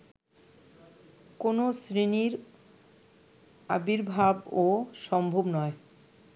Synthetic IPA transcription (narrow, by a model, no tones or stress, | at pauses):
konosɾiniɾ | a̰biɾbʱaboʃɔmbʱobnɔe